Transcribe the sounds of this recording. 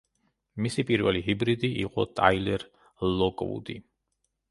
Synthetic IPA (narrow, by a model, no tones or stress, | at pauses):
misipʼiɾvaliɦibɾid̪iḭqʼɔt̪ʼajlɛɾ | lɔkʼɔ̰vṵd̪i